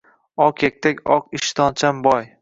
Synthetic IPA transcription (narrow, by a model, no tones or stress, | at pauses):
ɒqʰek̚ʲt̪ʰekʲɒqɪʃt̪ʰɒnt͡ʃʰambɒj